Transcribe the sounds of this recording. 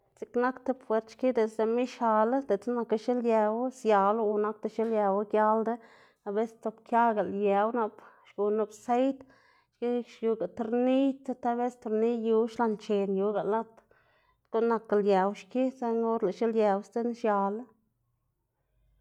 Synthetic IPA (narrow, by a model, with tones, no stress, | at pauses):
t͡si˧kna˦kt̪e˦pfwe˨˧ɾt̪ʃki˦d̪e˨sd̪e˧˨mi˦ʃa˨la˦d̪e˨t͡sna˧ka˧ʃi˦lje˧wsja˨lu˧na˦k̚t̪e˧ʃi˦lja˧wa˦ɡja˦ld̪e˦ | a˧be˦st͡s̪o˧bkja˦ɡa˨lje˨wna˧p | ʃɡu˨nu˧bse˦jt̪ | ʃki˦ʃju˧ɡa˨t̪ɾni˦t̪t̪a˦be˦st̪u˧ɾni˦ju˧˦ʃla˧nt͡ʃe˨nju˧ɡa˨la˦t̪ | ko˦na˧ka˨lja˨wʃki˦se˦ŋo˦ɾla˨ʃi˦lje˨wst̪e˦nʃja˨la˦